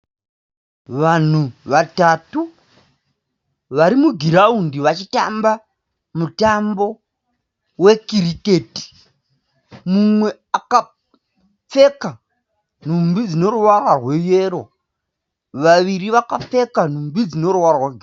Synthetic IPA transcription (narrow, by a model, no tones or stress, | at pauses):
ʋan̤uʋatatu | ʋaɾimuɡʱiɾaundiʋat͡ʃita̰mba | mutambo̞ | we̞kiɾiketi̥ | mumwe̞ | aka | p͡fe̞ka | n̤umbid͡zino̞ruwararwe̞je̞ːɾo̞ | ʋaʋiɾiʋakap͡fe̞kan̤umbid͡zino̞ruwarrwaɡʱ